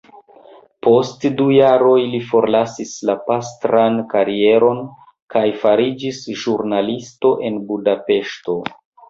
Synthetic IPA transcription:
po̞stdujaɾo̞jlifo̞ɾlasislapastɾankaɾie̞ɾo̞n | kajfaɾid͡ʒisʒuɾnalisto̞ʔe̞nbudape̞ʃto̞

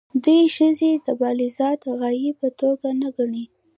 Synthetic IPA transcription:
d̪ujʃəzed̪əbɑlɪzɑt̪ɣɑjipət̪oɡanaɡaɳi

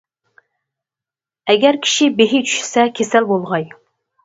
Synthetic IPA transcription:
ɛɡʲɛɾkʲʰi̥ʃibeɦit͡ʃʰy̥ʃsɛkʲʰesælbolˠʁɑj

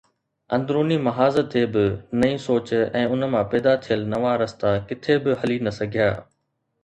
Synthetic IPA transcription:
ɐ̃nd̪ɾoːnimɐɦaːzət̪ʰːeːbɪnɐĩsoːt͡ɕɛ̃ːʊnə̆mãpɛːd̪at̪ʰijəlnɐʋaɾɐst̪akɪt̪ʰebɪhɐlinɐsɐɡʱijaː

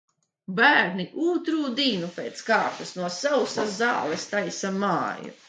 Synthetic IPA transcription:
bæːɾniʔuːt̪ɾuːd̪iːnupʲeːt̪skaːt̪usnuɔsawsazaːlˠɛst̪ajsamaːjṵ

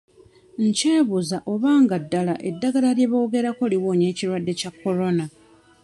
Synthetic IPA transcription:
ɲceːβuzaʔo̞βaːŋɡadːalaʔe̞dːaɡalaɾje̞βo̞ːɡe̞ɾako̞liwoːɲe̞ːciɾwadːe̞cakːo̞ɾo̞na

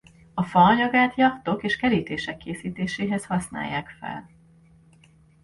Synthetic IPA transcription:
ɒfɒːɲɒɡaːt̪jɒkt̪o̞keːʃkɛliːt̪eːʃɛkʰːeːsiːt̪eːʃeːɦɛshɒsna̰ːjːaːkfɛ̰l

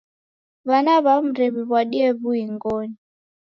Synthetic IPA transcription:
βanaβam̩ɾɛβiβwaɗiɛβuiŋɡɔni

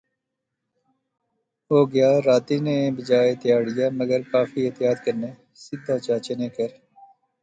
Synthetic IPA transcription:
ɦoːɡɪjaːɾaːt̪iːnẽbɪd͡ʒaːet̪ɪjaːɽɪjaːməɡəɾkaːfiːet̪ɪjaːt̪kəɾneː | sɪd̪aːt͡ʃaːt͡ʃeːneːkəɾ

